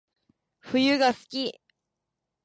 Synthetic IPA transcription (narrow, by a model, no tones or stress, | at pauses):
ɸɯ̟jɯɡasɨ̥kʲi